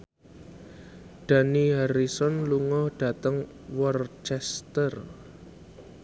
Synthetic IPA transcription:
d̥a̤niɦaɾisɔnluŋɔhɖ̥ä̤t̪əŋ | wɔrt͡ʃɛst̪ər

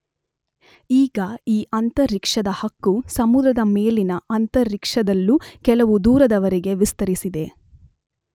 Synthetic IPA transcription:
iːɡɐiːʔɐnt̪ɐɾikʂɐd̪ɐhɐkːusɐmud̪ɾɐd̪ɐmeːlinɐʔɐnt̪ɐɾːikʂɐd̪ɐlːukɛlɐʋud̪uːɾɐd̪ɐʋɐɾeɡe̞ʋist̪ɐɾisid̪e̞

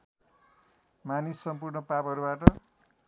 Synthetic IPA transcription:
manisːʌmpurɳʌpapʌɾubaʈʌ

